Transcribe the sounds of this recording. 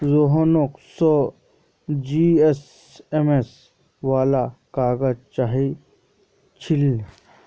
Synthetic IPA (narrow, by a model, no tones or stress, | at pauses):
zoɦonoksɔ | d͡ʒies | emes | ʋaːlakaːɡəd͡ʒt͡ʃaːɦi | t͡ʃʰɪl